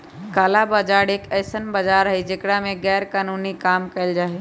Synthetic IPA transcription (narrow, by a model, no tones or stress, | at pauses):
kaːlabad͡ʒaːɽeːkɛːsənbəd͡ʒaːɾɦed͡ʒekɽamẽɡɛːɾkaːnuːnikaːmkɐɪld͡ʒaːɦeː